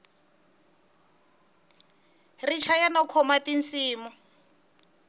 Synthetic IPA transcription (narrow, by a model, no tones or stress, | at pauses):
rit͡ʃʰajanɔkʰɔmatinsiːmɔ